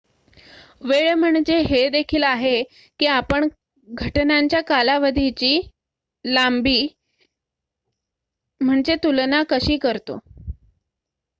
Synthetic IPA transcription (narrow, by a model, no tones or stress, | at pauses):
ʋeɭm̤əɳd͡ʑeɦed̪ekʰiːlaɦe | kiːapəɳ | ɡʱəʈnaɲt͡ɕjakalaʋəd̪ʱit͡ɕiː | lambiː | m̤əɳd͡ʑet̪ulnakəɕiːkəɾt̪o̰